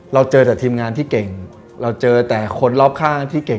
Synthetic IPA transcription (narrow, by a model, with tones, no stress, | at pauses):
ɾa˧wt͡ɕɤː˧t̪ɛː˨˩t̪ʰiː˧mŋaː˧nt̪ʰiː˥˩ke˨˩ŋ | ɾa˧wt͡ɕɤː˧t̪ɛː˨˩kʰo˧nlɔː˥˩p̚kʰaː˥˩ŋt̪ʰiː˥˩ke˨˩